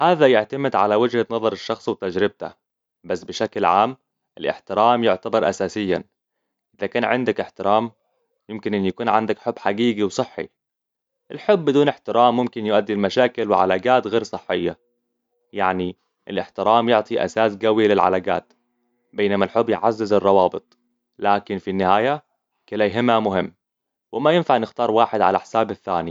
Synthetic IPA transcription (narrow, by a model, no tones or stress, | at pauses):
haːðajɪʕt̪amɪd̪ʕa̰lawɪd͡ʒhanɑðˤɑɾˤɪʃːɑxsˤwt̪ad͡ʒɾɪb̚t̪a̰ | basːbɪʃaklʕa̰ːm | ʔɪlʔɪ̰ħt̪ɪɾaːmjʊʕt̪abɑɾˤʔa̰saːsɪjːa̰n | ʔɪðakaːnʕɪnd̪akʔɪħt̪ɪɾaːm | jɪmkɪnʔɪnːjakuːnʕand̪akħʊbːħaɡiːɡiwsˤɨħːḭ | ʔɪlħʊbːɪd̪uːnɪħt̪ɪɾaːmːʊmkɪnjʊʔad̪ːɪlmaʃaːkɪlwɪʕa̰laːɡaːt̪ɣeːɾsˤɨħːɪjːa̰ | jaʕni | ʔɪlɪħt̪ɪɾaːmjʊʕt̪ˤiʔa̰saːsɡawjalɪlʕa̰laːɡa̰ːt̪ | beːnamalħʊbːjɪʕazːɪzɑrˤːɑwɑːbɨt̪ˤ | laːkɪnfinːɪhaːja | kɪlajɦɪmamʊɦɪmː | wɪmajɪnfaʕɪnɪxt̪ɑːɾˤwaːħɪd̪ʕa̰laħsaːbaθːa̰ːni